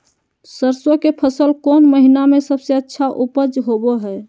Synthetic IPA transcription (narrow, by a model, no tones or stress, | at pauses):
səɾsokepʰəsəlkonməɦinamesəbseətːʃʰaʔupəd͡ʒɦoboɦɛ